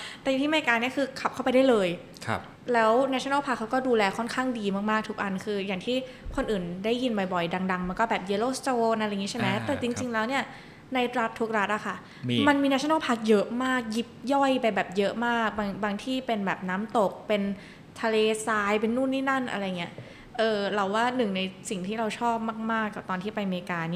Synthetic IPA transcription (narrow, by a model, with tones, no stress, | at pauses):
t̪ɛ˨˩jŋt̪i˥˩˧a˧˩kaː˧ni˥˩ɐkʰɯː˧kʰa˨˩p̚kʰa˥˩pa˧jda˥˩jlɤː˧j | kʰ | lɛː˦˥wnɛː˧˥o˧˦na˥˩pʰa˦˥kʰːa˦˥wkɔː˥˩duː˧lɛː˧kʰɔ˥˩nkʰaː˥˩ŋdiː˧maː˥˩k̚maː˥˩k̚t̪ʰu˦˥k̚ʔa˧nkʰɯː˧jaː˨˩ŋt̪ʰiː˥˩ | kʰo˧nʔɯː˨˩ndaː˥˩jːi˧nbɔ˨˩jbɔ˨˩jda˧ŋda˧ŋma˧nkɔː˥˩bɛː˨˩p̚je˧loː˥˩st̪oː˧na˧ɾa˧jŋi˦˥t͡ɕʰa˥˩ma˦˥t̪ɛː˨˩t͡ɕi˧ŋt͡ɕi˧ŋlɛː˦˥wni˥˩ɐ | na˧jɾa˦˥t̪ʰːu˦˥ək̚ɾa˦˥t̪̚ʔa˨˩kʰa˥˩ | ma˧nmiː˧na˧˥sʰna˥˩pʰa˦˥k̚jɤ˦˥ʔmaː˥˩k̚ji˦˥p̚jɔ˥˩jpa˧jbɛː˨˩p̚jɤ˦˥ʔmaː˥˩k̚baː˧ŋbaː˧ŋt̪ʰiː˥˩pe˧nbɛː˨˩p̚naː˦˥mt̪o˨˩k̚pe˧n | t̪ʰa˧leː˧saː˧jpe˧nːuː˥˩nːʰiː˥˩na˥˩nʔa̰˧ɾa˧jŋi˦˥ɐ | ʔɤː˧˩ɾa˧wːaː˥˩nɯ˨˩ŋna˧jsi˨˩ŋt̪ʰiː˥˩ɾa˧wt͡ɕʰɔː˥˩p̚maː˥˩k̚maː˥˩kːa˨˩p̚t̪ɔː˧nʰiː˥˩pa˧jmeː˧kaː˧ni˥˩